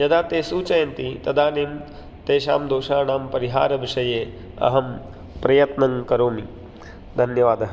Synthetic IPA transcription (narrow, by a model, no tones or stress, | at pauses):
jɐd̪aːt̪eːsuːt͡ʃɐjɐnt̪it̪ɐd̪aːneːm | t̪eːʃa̰ːmd̪oːʃaːnaːmpɐɾiɦa̰ːɾɐʋiʃɐjeː | ɐ̰ɦɐm | pɾɐjɐt̪nɐŋkɐɾoːmi | d̪ʱɐnjɐʋaːd̪ɐɦ